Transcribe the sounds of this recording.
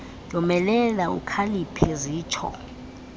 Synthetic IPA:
dʱʼɔmɛlɛlaṵkʰalipʰɛziːt͡ʃʰɔ̰

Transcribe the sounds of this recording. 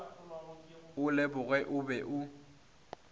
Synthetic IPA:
ʊlɛbʊɣwɛʔʊbɛʔʊ

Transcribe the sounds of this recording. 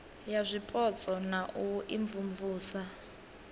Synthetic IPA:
jazʷipʼɔt͡sʼɔnaʔuʔiɱvuɱvuːsa

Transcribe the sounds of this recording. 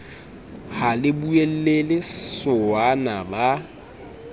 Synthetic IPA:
halɪbuel̩lelɪsʊanaba

